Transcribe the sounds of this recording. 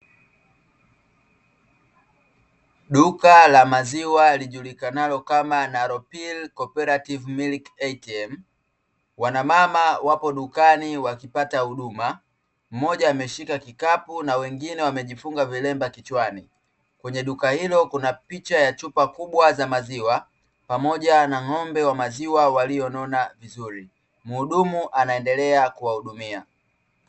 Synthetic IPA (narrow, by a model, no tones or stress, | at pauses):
ɗukalamaziwaliʄulikanalɔkamanaɾɔpilkɔpɛɾativmilikɛtiɛm̩ | wanamamawapɔɗukaniwakipatahuɗuma | m̩mɔʄaːmɛʃikakikapunawɛŋɡinɛwamɛʄifuŋɡavilɛmbakit͡ʃwani | kwɛɲɛɗukahilɔkunapit͡ʃajat͡ʃupakuɓwazamaziwa | pamɔʄanaŋɔmbɛwamaziwawalijɔnɔnavizuɾi | mːɗumuʔanaɛndɛlɛakuwahuɗumia